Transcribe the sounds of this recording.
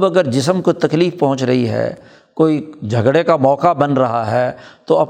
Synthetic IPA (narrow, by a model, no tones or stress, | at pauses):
bɐɡəɾd͡ʒɪsəmkot̪ɐkliːfpɔ̃ɦʊ̃t͡ʃɾɐɦiɦɛ̰ː | koːid͡ʒʱɐɡɽekamɔːkabɐnɾɐɦaɦɛːt̪oɐp